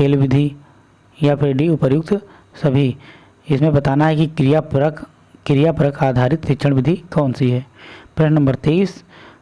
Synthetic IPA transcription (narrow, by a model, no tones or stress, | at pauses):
keːlʋɪd̪ʱi | japʰɪɾɖiʊpəɾjʊk̚t̪ | sɐbʱi | ɪsmẽbɐt̪aːnaɦɛkikɾijapɾək | kɾijapɾəkʰaːd̪ʱaːɾɪt̪tɪt͡ʃʰəɽ̃ʋɪd̪ʱikɔːnsiɦɛːpɾeʃnɐ̃mbəɾt̪eːis